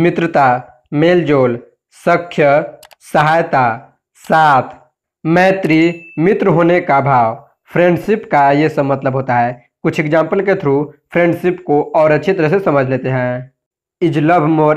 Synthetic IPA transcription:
mɪt̪ɾət̪a | meːld͡ʒoːl | səkʰːjəsəɦaːjt̪a | saːt̪ʰ | mɛːt̪ɾimɪt̪ɾɦoːnekabʱaːʋ | pʰɾẽːɳɖsɪpkajesəmɐt̪ləbʱɦoːt̪aɦɛː | kʊt͡ʃʰekd͡ʒãːmpəlket̪ʰɾupʰɾẽːɳɖsɪpkoʔɔːɾɐtːʃʰit̪əɾəɦsesɐməd͡ʒʱleːt̪eɦɛ̃ː | ɪd͡ʒləbʱmoː

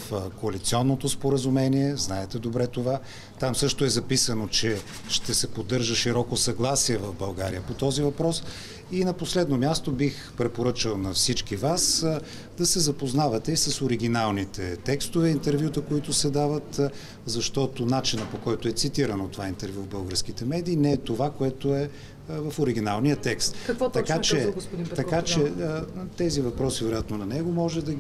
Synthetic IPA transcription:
fkoɐlit̪siɔnːot̪ospoɾəzumɛniɛznaɛt̪ɛd̪obɾɛt̪ova | t̪amsɤʃt̪ʊɛzɐpisənot͡ʃɛ | ʃt̪ɛsɛpod̪ːɤɾʒəʃiɾɔkosɐɡlˠasiɛvɐvbɐlˠɡaɾḭəpot̪ɔzivɐpɾɔs | inɐposlɛd̪nomʲjast̪obix | pɾɛpoɾɤt͡ʃəlˠnɐfsit͡ʃkivas | d̪ɐsɛzɐpoznavɐt̪ɛisɐsoɾiɡʲinalˠnit̪ɛt̪ɛkst̪ovɛint̪ɛɾvjut̪əkoit̪ʊsɛd̪avət̪ | zɐʃt̪ɔt̪onat͡ʃinəpokɔjt̪oɛt̪sit̪iɾənot̪ovaint̪ɛɾvʲjuvbɤlˠɡəɾsk̟it̪ɛmɛd̪iːnɛɛt̪ovakoɛt̪oɛ | vɐfoɾiɡ̟inalˠnijət̪ɛkst̪kkt̪ɐkat͡ʃɛɡ̪iɐkat͡ʃɛt̪ɛzivɐpɾɔsivɛɾojat̪nonɐnɛɡomɔʒɛd̪ɐ

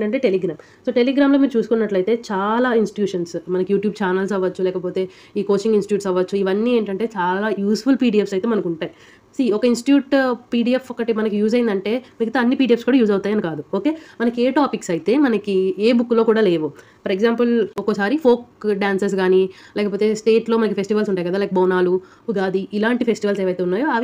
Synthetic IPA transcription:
eɳʈɐɳʈe̞ːʈeliɡɾaːm | so̞ːʈeliɡɾaːmloːmiːɾut͡ʃuːsu̥kunːɐʈlɐjt̪e̞ːt͡ʃaːlaːinsʈi̥ʈjuːʂɐnsmɐnɐkijuːʈjuːb̚t͡ʃaːnɐls̬ɐʋːɐt͡ʃːulɛːkɐpoːt̪e̞ː | iːko̞ːt͡ʃiŋɡinsʈiʈjuːʈsɐʋɐt͡ʃːuiʋɐnːiːe̞ːɳʈɐɳʈe̞ːt͡ʃaːlaːjuːsfulpiːɖiːefsɐjt̪e̞ːmɐnɐkuɳʈaːji | siːɔkɐinsʈi̥ʈjuːʈpiːɖiːefɔkːɐʈimɐnɐkijuːd͡ʒɐjind̪ɐɳʈe̞ːmiɡɐt̪ɐɐnːipiːɖiefskuːɽaːjuːd͡ʒɐwt̪aːjɐnikaːd̪uoːke̞ːmɐnɐke̞ːʈaːpiksɐjt̪e̞ːmɐnɐkieːbukːlo̞ːkuːɽaːle̞ːʋu | pʰɐɾeɡzaːmpɐlɔkosaːɾipʰo̞ːkɖaːnsɐs̬ɡaːnilɛːkɐpo̞ːt̪esʈe̞ːʈlo̞ːmɐnɐkipʰe̞sʈiʋɐlsuɳʈaːjkɡɐd̪aːlɐːk̚bɐːnaːlu | uɡ̪aːd̪iʔilaːɳʈipʰe̞sʈiʋɐlseːʋɐjt̪eːunːaːjoɐʋ

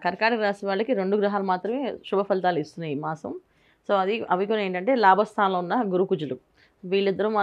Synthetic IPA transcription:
kɐɾkaːʈɐɡɾaːsiʋaːɭːɐkiɾeɳɖuɡɾuɦaːlɐmaːt̪ɾɐme̞ːʃubʱɐpʰɐlt̪aːluist̪unːaːjimaːsɐ̰m | so̞ːɐd̪iɐʋikuneːɳʈɐɳʈe̞ːlaːbʱɐst̪ʰaːnlɐunːɐɡuɾukud͡ʒɐlu | ʋiːɭːid̪ːɐɾuma

